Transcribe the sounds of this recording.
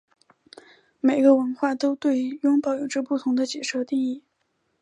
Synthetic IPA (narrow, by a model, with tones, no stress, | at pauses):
me˨˩ɪɡə˦wə˧˥nxwa˥˩t̪o˥ʊt̪we˥˩ɪjʊ˥ŋpɑ˥˨˩ʊjo˨˩ʊʈ͡ʂɤ˥˧pu˥˩t̪ʰʊ˧˥ŋd̪ə˧t͡ɕjɛ˨˩ʂɤ˥˧t̪i˥˧ŋi˥˩